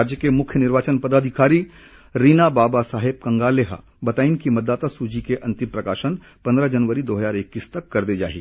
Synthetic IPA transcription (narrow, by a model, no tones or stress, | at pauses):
ad͡ʒjəkemʊkʰjənɪɾʋaːt͡ʃənpɐd̪aːd̪ʱɪkaːɾi | ɾiːnabaːbasaːɦɪb̚kɐ̃ŋɡaːleɦ | bɐt̪aːinkimɐd̪ːaːt̪asud͡ʒikeʔɐ̃nt̪ɪmpɾɐkaːʃən | pɐ̃nd̪ɾəd͡ʒɐnʋəɾid̪oːɦəzaːɾɪkːiːst̪ɐkːɐɾd̪ed͡ʒa̰ːɦḭː